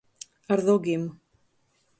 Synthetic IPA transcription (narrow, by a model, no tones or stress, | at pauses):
aɾðoɡɪm